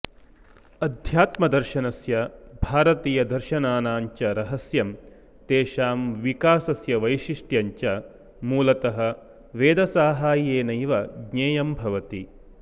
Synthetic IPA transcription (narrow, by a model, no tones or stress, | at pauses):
ɐd̪ʱjaːt̪mɐd̪ɐɾʃɐnɐsjɐbʱaːɾɐt̪iːjɐd̪ɐɾʃɐnaːnaːɲt͡ʃɐɾɐɦɐsjɐm | t̪eːʃaːmʋikaːsɐsjɐʋɐjʃiʂʈjɐɲt͡ʃɐ | muːlɐt̪ɐɦɐ̆ | ʋeːd̪ɐsaːɦaːjeːnɐjʋɐɡɲeːjɐmbʱɐʋɐt̪i